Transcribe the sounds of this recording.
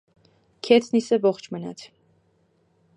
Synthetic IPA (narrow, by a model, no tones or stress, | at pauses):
kʰɛt͡s̪ʰnisɛvɔχt͡ʃʰmənɑ̰t̪ʰ